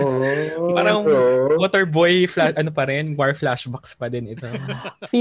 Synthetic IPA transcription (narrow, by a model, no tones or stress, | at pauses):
paːɾɐŋwot̪ɛɹbojflaʃʔɐnopɐɾɛnwaɹflaʃbɐkspɐd̪ɪnɪt̪of